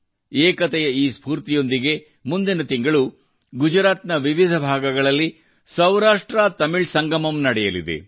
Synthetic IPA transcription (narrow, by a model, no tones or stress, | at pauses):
eːkɐt̪ɛjɐiːspuːɾt̪ijo̞nd̪iɡe̞ | mund̪inɐt̪iŋɡɐɭu | ɡud͡ʒɾaːt̪nɐʋiʋid̪ʱɐbʱaːɡɐɡɐɭɐlːi | sɐwɾaːʂʈɾat̪ɐmiɭsɐŋɡɐmɐmnɐɽɛjɐlḭd̪ḛ